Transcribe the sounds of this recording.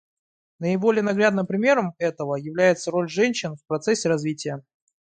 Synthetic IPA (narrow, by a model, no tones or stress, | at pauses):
nəɪbo̞lʲɪjənɐɡɾʲad̪nɨmpɾʲɪmʲe̞ɾəmɛt̪əvəjɪvlʲæjɪt̪səɾo̞lʲʐɛnʲɕːɪnfpɾɐt̪sɛsʲːɪɾɐzvʲitʲɪjə